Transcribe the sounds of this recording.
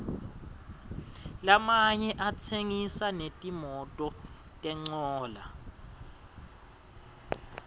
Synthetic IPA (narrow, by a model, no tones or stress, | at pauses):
lamaɲɛʔat͡sʰeŋisanetʼimɔtʼɔ | tʼɛŋ͡ǀɔːla̰